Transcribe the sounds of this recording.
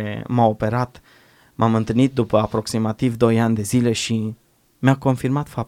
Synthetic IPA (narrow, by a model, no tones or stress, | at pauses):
ḛmaope̞ɾat̪ | mʔamɨnt̪ɨlnit̪̚d̪upəapɾo̞ksimat̪ivd̪o̞janʲd̪e̞zile̞ʃi | mʲako̞nfirmat̪fap̚